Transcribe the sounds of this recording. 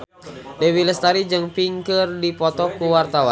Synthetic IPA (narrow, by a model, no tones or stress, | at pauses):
dɛwiləst̪aɾid͡ʒəŋpiŋkərdipɔt̪ɔkuwart̪awa̰n